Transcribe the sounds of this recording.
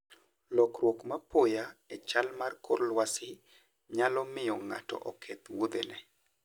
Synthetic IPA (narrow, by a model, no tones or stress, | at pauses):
lɔkrwokmapojaet͡ʃalmarkoɾlwasɪ | ɲalɔmɪjɔŋa̰tɔ̰ʔɔkʰɛt̪wod̪enɛ